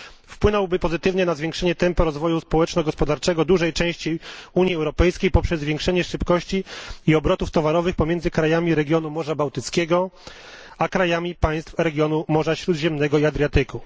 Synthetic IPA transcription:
fpwɘnɔwbɘpɔzɘt̪ɘvɲɛnazvʲjeŋkʂɛɲɛt̪ɛmpɔɾɔzvɔjuspɔwɛt͡ʂnɔɡɔspɔd̪aɾt͡ʂɛɡɔd̪uʐɛjt͡ʂɛ̃w̃ɕt͡ɕiuɲiɛwɾɔpɛjskʲejpɔpʂɛzːvʲjeŋkʂɛɲɛʂɘpkɔɕt͡ɕiːɔbɾɔt̪uft̪ɔvaɾɔvɘxpɔmʲjɛnd̪zɘkɾajamʲiɾɛɡʲjɔn̪umɔʐabawt̪ɘt̪skʲeɡɔ | akɾajamʲipaj̃st̪fɾɛɡʲjɔnumɔʐaɕɾud̪ʑɛmnɛɡɔiad̪ɾjat̪ɘku

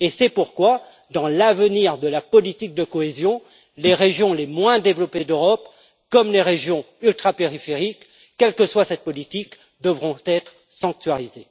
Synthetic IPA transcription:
esɛpuʁkwa | d̪ɑ̃lavəniʁd̪əlapɔlit̪ik̚d̪əkɔezjɔ̃ | leʁeʒjɔ̃lemwɛ̃d̪evlɔped̪øʁɔp | kɔmleʁeʒjɔ̃ | ylt̪χapeʁifeʁikː | ɛlkəswasɛt̪̚pɔlit̪ik | d̪əvʁɔ̃t̪ɛt̪χ | sɑ̃k̚t̪ɥaʁize

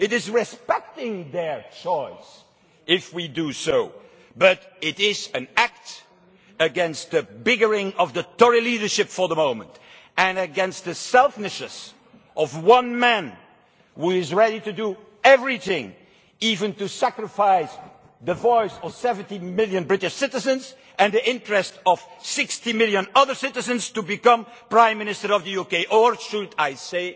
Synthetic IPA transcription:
ɨɾɪzɹɪspɛk̚tɪ̃ŋðə˞t͡ʃɔɪs | ɪfwidɨsoʊ | bʌɾɪɾɪzɨ̃næk̚t | ɨɡɛ̃nst̪̚ðɨbɪɡə˞ɪ̃ŋʌvðətɔɹiliɾə˞ʃɪpfə˞ðəmõʊ̃mə̰̃nt | ɨ̃nɨɡɛ̃nst̪̚ðɨsɛlˠfnɨʃɨs | ʔʌvwʌ̃nmæ̃n | huɪzɹɛɾitɨdu | ɛvɹiθɪ̃ŋ | ivɨ̃ntusækɹɨfaɪs | ðəvɔɪsʌv̥sɛvə̃ntimɪlˠjɨ̃nbɹɪtɪʃsɪɾɨzɨ̃nz | ʔɨ̃nðiɪ̃ntɹɛstʌv̥sɪkstimɪlˠjɨ̃nʌðə˞sɪɾɨzɨ̃nz̥tubɨkʌ̃mpɹãɪ̃mːɪnɪstə˞ʌvðɨjukeɪʔə˞ʃʊdaɪseɪ

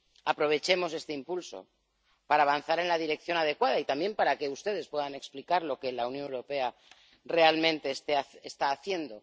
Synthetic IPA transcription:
apɾo̞β̞e̞t͡ʃe̞mo̞s̬e̞st̪e̞impulso̞̰ | paɾaːβ̞anθaɾe̞nlað̞iɾe̞kθjo̞nað̞e̞kwað̞ait̪ambje̞mpaɾake̞ust̪e̞ð̞e̞spwe̞ðane̞ksplikaɾlo̞kelaunjonewɾo̞pe̞a | re̞almẽ̞nt̪e̞st̪eest̪aːθje̞nd̪o̞

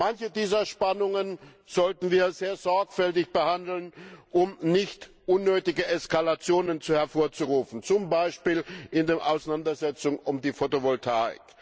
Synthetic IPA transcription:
mançədiːzɐʃpanʊŋən | z̥ɔltn̩viːɐzeːɐzɔɐkfɛltɪçb̥əhandl̩nʔʊmnɪçt | ʔʊnːøːtɪɡəʔɛskalat͡sjoːnənt͡suhɛɐfoːɐt͡suʁuːfn̩t͡sʊmbaɪʃpiːlʔɪndeːɐʔaʊsnandɐzɛt͡sʊŋʊmdiːfotovɔltʰaːɪ̰k

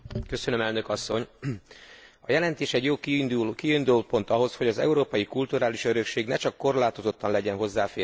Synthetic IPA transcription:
køsønø̞mɛlnø̞kɒsːo̞ɲ | ɒjɛlɛnt̪eːʃɛɟjoːkiynd̪upo̞nt̪ɒɦo̞sho̞ɟɒzɛ̰uɾoːpɒjikult̪uɾaːliʃøɾø̞kʃeːɡnɛt͡ʃɒkːo̞rlaːt̪o̞zo̞t̪ːɒnlɛɟɛnɦo̞zːaːfeː

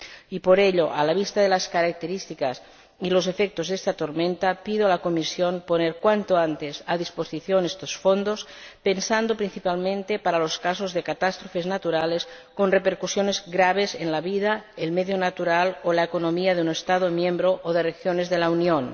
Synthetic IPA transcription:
ipoɾeʎoʔalaβ̞ist̪aðelaskaɾak̚t̪eɾist̪ikas | ilosefek̚t̪ozðest̪at̪oɾmẽnt̪apiðoalakomisjonponeɾkwant̪oant̪esaðisposiθjonest̪osfond̪ospensand̪opɾinθipalmẽnt̪epaɾaloskasozðekat̪ast̪ɾofeznat̪uɾales | konrepeɾkusjonezɣɾaβ̞ezenlaβiðaelmeðjonat̪uɾalolaekonomiaðeunest̪aðomjembɾoʔoðerexjonezðelaunion

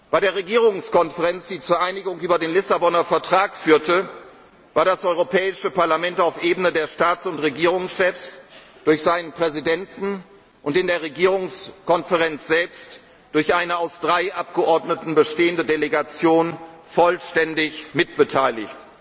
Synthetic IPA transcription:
b̥aɪdeːɐʁ̞eɡiːʁ̞ʊŋskɔnfəʁɛnt͡sd̥iːt͡suːɐʔaɪnɪɡʊŋʔyːbɐdeːnlɪsabɔnɐfɛɐtʁ̥aːkfyːɐtə | v̥aːɐdasʔɔʏʁopʰɛːɪʃəpaɐlamɛntaʊfʔeːbənədeːɐʃtaːt͡sʊntʁeɡiːʁ̞ʊŋsʃɛfs | d̥ʊɐçz̥aɪnənpʁ̥ɛzidɛntn̩ | ʔʊntɪndeːɐʁeɡiːʁ̞ʊŋskɔnfəʁɛnt͡sz̥ɛlpst | d̥ʊɐçʔaɪnəaʊsd̥ʁaɪʔap̚ɡ̥əʔɔɐdnətn̩bəʃteːəndədeleɡat͡sjoːn | fɔlʃtɛndɪçmɪt̚b̥ətʰaɪlɪçt

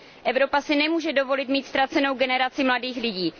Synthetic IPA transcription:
ʔɛvɾo̞pasɪnɛmuːʒɛdo̞vo̞lɪt̪miːt̪st̪ɾat͡sɛno̞wɡɛnɛɾat͡sɪmladiːxlɪɟiː

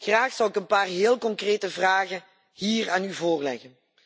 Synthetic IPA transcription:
χraːxsɑwɪkənpaːrɦeːlˠkɔŋkreːtəvraːɣən | ɦiːraːnyvoːrlɛɣən

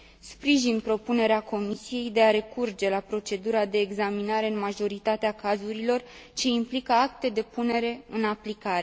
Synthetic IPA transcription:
spɾiʒinpɾo̞pune̞ɾeako̞misije̞jd̪e̞aɾe̞kurd͡ʒe̞lapɾo̞t͡ʃe̞d̪uɾad̪e̞ːɡzaminaɾe̞ɨnmaʒo̞ɾit̪at̪eakazuɾilo̞r | t͡ʃe̞implikəak̚t̪e̞d̪e̞pune̞ɾe̞ɨnaplikaɾe̞

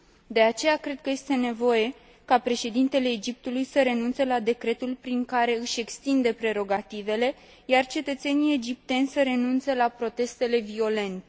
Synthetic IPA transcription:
d̪e̞at͡ʃe̞jakɾe̞d̪̚kəje̞st̪e̞ne̞vo̞je̞ | kapɾe̞ʃe̞d̪int̪e̞le̞ːd͡ʒip̚t̪ulujsəɾe̞nuntselad̪e̞kɾe̞t̪ulpɾiŋkaɾe̞ɨʃe̞kst̪ind̪e̞pɾe̞ɾo̞ɡat̪ive̞le̞ | jart͡ʃe̞t̪ət̪se̞nije̞d͡ʒip̚t̪e̞nʲsəɾe̞nunt̪selapɾo̞t̪e̞st̪e̞le̞vio̞le̞nt̪e

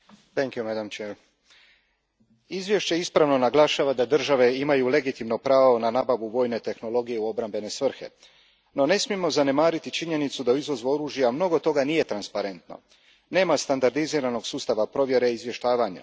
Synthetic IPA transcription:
t̪ɛŋkjumɛd̪amt͡ʃeɾ | izʋje̞ʃt͡ɕe̞ispɾaʋno̞naɡlˠaʃaːʋad̪ad̪r̩ʒaʋe̞imajule̞ɡit̪imno̞pɾaːʋo̞nanaːbaʋuʋo̞ːjne̞t̪e̞xno̞lo̞ɡijeuo̞bɾambe̞ne̞sʋr̩xe̞̰ | no̞ne̞smije̞mo̞zane̞maːɾit̪it͡ʃiɲe̞nit̪sud̪auizʋo̞zʋoɾuːʒjamno̞ɡot̪ːo̞ɡanije̞t̪ɾanspaɾe̞nt̪no̞̰ | ne̞ːmast̪and̪aɾd̪iziːɾano̞ɡsuːst̪aʋapɾo̞ʋje̞ɾe̞izʋje̞ʃt̪aːʋaɲa̰

